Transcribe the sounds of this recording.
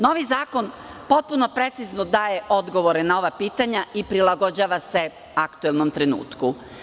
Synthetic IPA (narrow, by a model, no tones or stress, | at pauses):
no̞ʋizaːko̞npo̞t̪̚puno̞pɾe̞t̪siznod̪aːje̞ʔo̞d̪ɡo̞ʋoɾe̞nao̞ʋapiːt̪aɲaipɾilaɡo̞d͡ʑaːʋase̞ | akt̪uelˠnomt̪ɾenṵːt̪ku